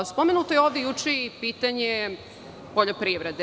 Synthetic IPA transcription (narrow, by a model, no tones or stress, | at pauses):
spomenut̪ojeoːʋd̪ejut͡ʃeipiːt̪aɲe | poʎopɾiʋɾed̪e